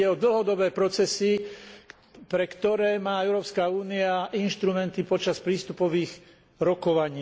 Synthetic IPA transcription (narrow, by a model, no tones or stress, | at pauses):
ɛɔd̪l̩ɦɔd̪ɔbɛːpɾɔt͡sɛsi | pɾɛkt̪ɔɾɛːmaːɛʊɾɔːpskauːniaʔinʃt̪ɾumɛnt̪ipɔt͡ʃaspɾiːst̪upɔʋiːɣ | ɾɔkɔʋaɲiː